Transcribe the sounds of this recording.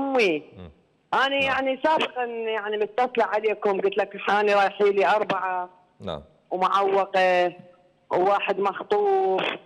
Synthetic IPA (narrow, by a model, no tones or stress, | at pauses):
mːi | ʔaːnijaʕnisaːbɪqɑnjaʕnimɪt̪ːatlaʕʕaleːkʊmɡʊt̪lakħaːniɾˤɑːjħiːliʔɑɾˤbaʕa̰ | wmʊʕawːɑqɪ | wːaːħɪd̪mɑxt̪ˤuːb